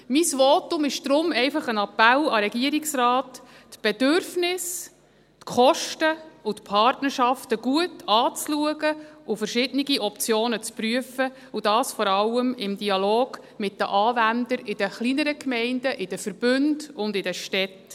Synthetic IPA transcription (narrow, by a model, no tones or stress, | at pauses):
misʋɔtʊmɪʃd̪̥ɾʊmɛɪfɑχənɑpælɑɾɛɡiəɾɪksrɑːtː | b̥ɛdʏɾfnɪs | tkχɔʃtəut̪pʰɑɾtnəɾʃɑftəɡ̥uətɑːt͡sluəɡəufəɾʃɪdəniɡiʔɔp̚t͡sjoːnət͡spɾyəfə | ud̥ɑːsfɔɾɑlːəmɪmdiɑloːɡ̥ | mɪt̚də̰ʔɑːvændəɾɪd̥əχlinəɾəkʰmɛɪnd̥əʔɪd̥əfəɾb̥ʏndʊndɪdɛʃtɛt